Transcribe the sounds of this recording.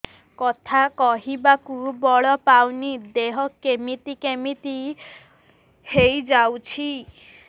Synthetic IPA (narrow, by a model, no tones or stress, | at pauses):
kɔt̪ʰakɔɦibakubɔɭɔpawnid̪eɦɔkemit̪ikemit̪i | hejd͡ʒawt͡ʃʰi